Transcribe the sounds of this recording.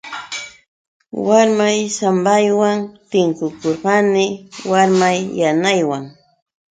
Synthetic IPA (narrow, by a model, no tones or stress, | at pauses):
waɾmajsambajwaŋt̪ɪŋkʊkoɾɢɑnɪwaɾmajːanajwaŋ